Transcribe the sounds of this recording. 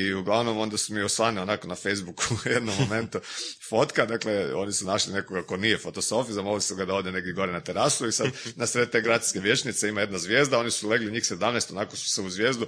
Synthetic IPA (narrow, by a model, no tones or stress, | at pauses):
iuɡlaʋno̞mo̞nd̪asumiosʋanionakonafejzbukujed̪nomːome̞nt̪ufo̞t̪kad̪akleo̞̰nisunaʃline̞ko̞ɡako̞nijefo̞t̪oso̞fizamollisuɡad̪aod̪ene̞ɡ̚d̪jeɡo̞ɾenat̪eɾasuisad̪nasɾet̪t̪eɡɾat̪i̥keʋje̞t͡ʃnit̪se̞imajed̪nazʋje̞ːzd̪ao̞nisule̞ɡliɲiːxse̞d̪amnest̪o̞nako̞su̥seuzʋje̞ːzd̪u